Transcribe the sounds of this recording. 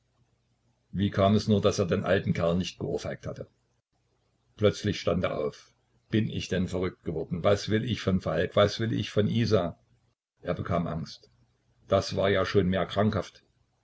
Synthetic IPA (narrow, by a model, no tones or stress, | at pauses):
viːkʰaːmɛsnuːɐdaseːɐdeːnʔa̰ltn̩kʰɛɐlnɪçt̚ɡ̥əʔʊɐfhaɪk̚thatə | plœt͡slɪçʃtantḛːɐʔa̰ʊf | b̥ɪnʔɪ̰çd̥ɛnfɛɐʁʏk̚t̚ɡ̥əvɔɐdn̩vasv̥ɪlɪçfɔnfalkv̥asv̥ɪlɪ̰çfɔnʔiːzaː | ʔeːɐbəkʰaːmʔa̰ŋst | d̥asv̥aːɐjaːʃoːnmeːɐkʁ̥aŋkhaft